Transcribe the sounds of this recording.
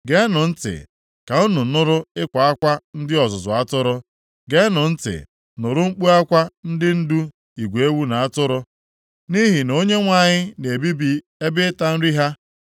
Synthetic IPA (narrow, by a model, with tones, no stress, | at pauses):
ɡe˦nʊ˨n̩˦tɪ̰˨ | ka˨ʊ˦nʊ˨˦nʊ˦ɾʊ˦ɪ˦kʷa˨a˦kʷa˦n̩˦dɪ˦ɔ˨zʊ˨zʊ˨a˦tʊ˦ɾʊ˦ | ɡe˦nʊ˨n̩˦tɪ̰˨ | nʊ˨ɾʊ˦ŋ͡m̩˦k͡pu˦a˦kʷa˦n̩˦dɪ˦n̩˦du˦ | i˨ɡʷe˦wu˦na˨a˦tʊ˦ɾʊ˦ | ni˦ɦi˨no˦ɲe˦ŋʷa˨ɲɪ˦ne˨bi˦bi˦ | e˦bɪ˦ta˦n̩˦ɾi˦ɦa˦